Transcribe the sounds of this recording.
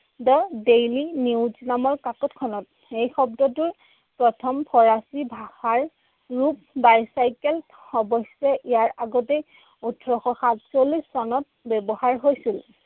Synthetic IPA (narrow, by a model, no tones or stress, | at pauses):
dɔdejliniwznamɔɹkakɔtkʰɔnɔt̚ | ejxɔb̚dɔtʊɹ | pɹɔtʰɔmpʰɔɹasibʱaxaɹ | ɹup̚ | bajsajkɛl | ɔbɔsɛʔijaɹaɡɔtej | utʰɹɔxɔxatsolisːɔnɔt̚bɛbɔhaɹɦojsil